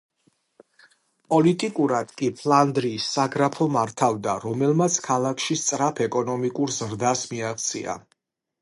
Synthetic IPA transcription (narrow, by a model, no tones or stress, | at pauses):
pʼɔlit̪ʼikʼuɾad̪̥kʼipʰland̪ɾiːsːaɡɾapʰɔmaɾt̪ʰavd̪aɾɔmɛlmat̪sʰkʰalˠakʰʃist̪sʼɾapʰɛkʼɔnɔmikʼuɾzɾd̪asmiaχt̪sʰʼḭa̰